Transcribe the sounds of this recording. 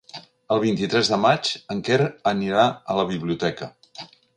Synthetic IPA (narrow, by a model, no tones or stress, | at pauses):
əlˠβ̞int̪it̪ɾɛzðəmat͡ʃəŋkeɾəniɾaələβ̞iβliut̪ɛkə